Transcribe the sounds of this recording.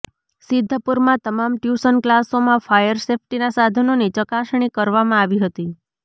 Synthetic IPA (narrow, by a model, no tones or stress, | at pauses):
sɪd̪ʱːəpuɾmãt̪əmamʈjusənklasomãfʰajəɾsefʰʈinasad̪ʱənonit͡ʃəkaʃɳ̃ikəɾʋamãaʋiɦət̪i